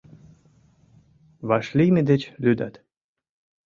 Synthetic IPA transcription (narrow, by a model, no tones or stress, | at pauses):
βɑʃlʲijmed̪et͡ɕlʲyd̪a̰t̪